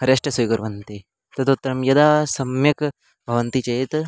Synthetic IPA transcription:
hɐɾɐʂʈɐsujɡɐɾʋɐnt̪i | t̪ɐd̪ut̪ːɐɾɐmjɐd̪aːsɐmjɐk | bʱɐʋɐnt̪it͡ʃɐjt̪

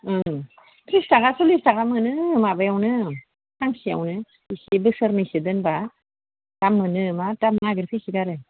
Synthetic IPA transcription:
ɯ | tɾistaɡasulistaɡamɯnɯmabajawnɯ | taŋsia̰wnɯ | isibɯsɯɾnɯsidɯnba | tamːɯnɯmatamŋaɡɾipʰisiɡaɾɯ

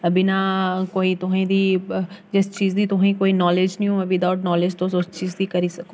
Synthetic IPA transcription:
ɐbinakoːit̪ʊɦãĩd̪iːd͡ʒest͡ʃiːzd̪it̪ʊɦãĩkoːinɔːled͡ʒnijũɐʋɪd̪aʊʈnɔːleːd͡ʒt̪ʰosost͡ʃiːzd̪ikɐɾisɐkʰo

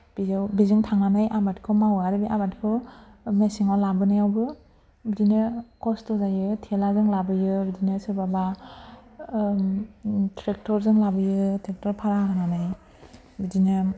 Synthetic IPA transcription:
b̥izɯwbizɯŋtʰaŋanajʔabatkʰɔmawaɾɯbiʔamatkʰɯmesiŋalabɯnajawbɯ | bidinɯkɔstɔzajɯtʰelazɯŋlabɯjɯbidinɯsɯbaba | tɾek̚tɔɾzɯŋlabɯjɯtɾek̚tɔɾpʰaɾaɦananaj | bidinɯ

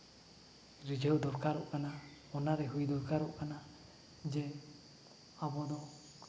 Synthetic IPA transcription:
ɾid͡ʒʱəwd̪ɔɾkaɾɔʔkana | ɔnaɾɛɦujd̪ɔɾkaɾɔʔkana | d͡ʒɛ | abɔd̪ɔ

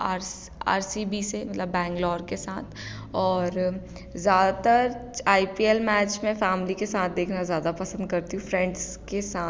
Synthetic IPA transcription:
aːɾ | a̰ːɾsiːbisemɐt̪ləbːɛ̃ːŋɡlɔːɾkesaːt̪ʰ | ɔːɾ | zjaːd̪at̪əɾaːipielmɛːt͡ʃmẽfɛːmlikesaːt̪̚ʰd̪eːkʰnazjaːd̪apɐsə̃nd̪̚kɐɾt̪iɦũfɾɛ̃ɳɖzkesaː

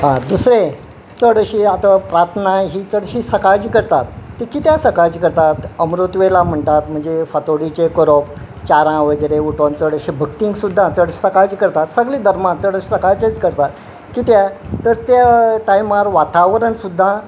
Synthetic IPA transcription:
ɦãd̪usɾe | t͡səɽəɕiat̪apɾat̪ʰnaɦit͡səɽɕiːsəkajd͡ʑiːkəɾt̪at̪ːekit̪jasəkajt͡ɕikəɾt̪at̪əmɾut̪ʋelam̤əɳt̪at̪m̤əɳd͡zefət̪oɽit͡ɕekəɾop̚ | t͡ɕaɾãʋəɡiɾeuʈont͡səɽəɕibʱəkt̪iŋɡsud̪ʱːãt͡səɽɕsəkad͡ʑikəɾt̪at̪səɡliːd̪ʱəɾmãt͡səɽəɕi̥səkajt͡ɕet͡skəɾt̪at̪ | kit̪jat̪əɾt̪jaʈajmaɾʋat̪aʋɾəɳsud̪ʱːã

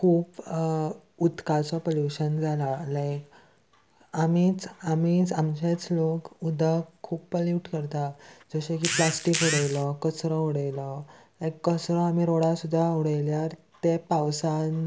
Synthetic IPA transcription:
kʰuːp | ut̪kat͡sɔpoljuɕənd͡zʱalalajk | amit͡samiːt͡samt͡ɕet͡slokud̪ʱəkkʰːuːppəljuʈkəɾt̪ad͡zəɕekiplasʈikuɽəjlɔkəsɾɔuɽajlɔ | lajkːəsɾɔamiɾoɽasud̪ʱːauɽəjljaɾt̪epawsan

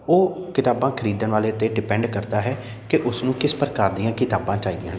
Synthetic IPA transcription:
oːkɪt̪aːbãːkʰəɾiːd̪ənʋaːleːt̪eːɖɪpɛ̃ːɳɖkəɾd̪aːɦɛː | kɪʔʊsnũːkɪspəɾkaːɾd̪ijãːkɪt̪aːbãːt͡ʃaːiːd̪ɪãː

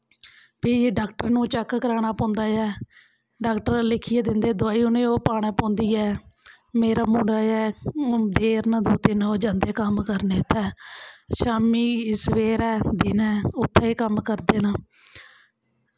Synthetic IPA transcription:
piːɖaːkʈəɾnũːt͡ʃəkːkəɾaːɽ̃aːpɔ̃ːnd̪aːɛː | ɖaːkʈəɾlɪkʰiːɛːd̪ɪnd̪eːd̪oaːiːʊnẽːoːpaːɽ̃ɛːpõːnd̪iːɛː | meːɾaːmũːɳɖaːɛːd̪eːɾnãːd̪oːt̪ɪnoːd͡ʒãːnd̪eːkəmkəɾneːʊt̪ʰːɛːʃaːmiːsəʋeːɾɛːd̪ɪːnɛːʊt̪ʰːeːkəmkəɾd̪eːnaː

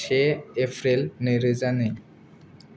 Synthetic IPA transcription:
ʃeefʰɾelneɾed͡ʑane

